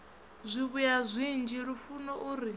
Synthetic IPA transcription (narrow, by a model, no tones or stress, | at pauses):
zʷiβujazʷind͡ʒiɺufunɔʔuɾi